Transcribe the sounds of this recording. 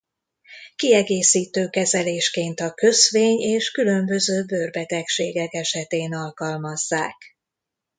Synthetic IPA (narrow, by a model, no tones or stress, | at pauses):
kiɛɡeːsiːt̪øːkɛzɛleːʃkeːnt̪ɒkø̞zʋeːɲeːʃkylø̞mbø̞zøːbørbɛt̪ɛkʃeːɡɛkɛʃɛt̪eːnɒlkɒlmɒzːaːk